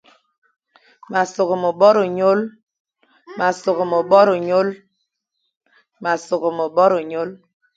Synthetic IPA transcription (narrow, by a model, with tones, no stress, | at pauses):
ma˨so˨ɣo˨mo˨ɓɔ˦ɾo˨ɲo˦l | ma˨so˨ɣo˨mo˨ɓɔ˦ɾo˨ɲo˦l | ma˨so˨ɣo˨mo˨ɓɔ˦ɾo˨ɲo˦l